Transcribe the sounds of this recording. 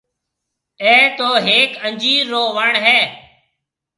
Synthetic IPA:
ẽːt̪oːɦeːkənd͡ʒiːɾːoːʋəɳɦeː

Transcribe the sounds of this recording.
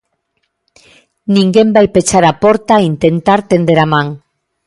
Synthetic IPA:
nĩŋɡembajpet͡ʃaɾapoɾt̪aint̪ent̪aɾt̪end̪eɾamãŋ

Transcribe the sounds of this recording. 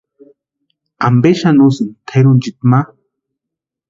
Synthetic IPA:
ambeʃanusint̪ʰeɾunt͡ʃit̪̚ma

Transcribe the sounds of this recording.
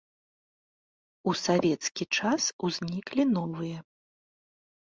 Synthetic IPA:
usavʲɛt̪skʲit͡ʂasuzʲnʲiklʲinɔvɨjɛ

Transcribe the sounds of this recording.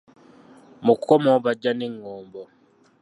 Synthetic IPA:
mukʰomoβaɟaneŋːoːmbo

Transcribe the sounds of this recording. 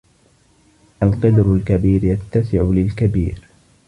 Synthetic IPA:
ʔalqɑd̪ɾʊlkabiːɾjat̪ːasɪʕʊlɪlkabḭːɾ

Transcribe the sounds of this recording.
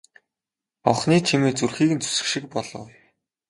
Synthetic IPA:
ɔwχniːt͡ɕʰimeːt͡surxiːɣɘ̆nt͡sʰu̥sɘ̥̆kʃĭk̚pɔɮɞ̰̆w

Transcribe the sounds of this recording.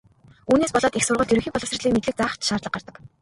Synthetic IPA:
uːneːspɔɮɔːt̪ixsʊrʁə̆ɮt̪jɵɾɵ̆ŋxʲiːpɔɮɞ̆sə̆rɮiːŋmet̪ɮɘ̆k̚t͡saːχt͡ɕʃaːrt̪ɮə̆qɢart̪ə̆k

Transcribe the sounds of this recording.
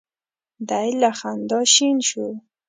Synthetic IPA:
d̪ajlaxand̪ɑʃinʃu

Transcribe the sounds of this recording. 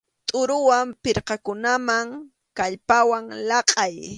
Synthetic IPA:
t̪ʼʊɾʊwampɪɾqɑkʊnamaŋ | kaʎpawaŋlɑqʼɑj

